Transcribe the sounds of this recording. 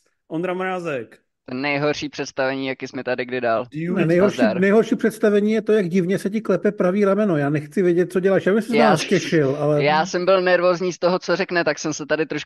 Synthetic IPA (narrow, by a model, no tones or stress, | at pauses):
ʔond̪ɾamɾaːzɛk | t̪ɛnɛjɦo̞ɾʃiːpr̥ɛt̪st̪avɛɲiːjakɪsmɛt̪adɪɡdɪdaːlnɛjɦoɾʃiːnɛjɦoɾʃiːpr̥ɛt̪st̪avɛɲiːjɛt̪ojaɡɟɪvɲɛsɛc̬ɪklɛpɛpɾaviːɾamɛno̞jaːnɛxt͡sɪvjɛɟɛt̪̚t͡soɟɛlaːʃjaːbɪmsɛzascɛʃɪlʔalɛjaːsɛmbɪlnɛɾvoːzɲiːst̪oɦot͡sorɛknɛt̪aksɛmsɛt̪adɪt̪ɾoʃ